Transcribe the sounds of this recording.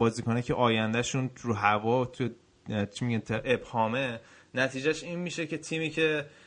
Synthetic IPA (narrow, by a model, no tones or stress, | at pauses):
ɒːziːkonecʰe̞ʔɒːjænd̪æʃuːnɾuɦævɒːt̪ʰuje | t͡ʃʰimiɟænt̪ʰeʔebhɒːme̞ | næt̪ʰiːd͡ʒæʃiːnmiʃe̞cʰe̞t̪ʰiːmiːcʰe̞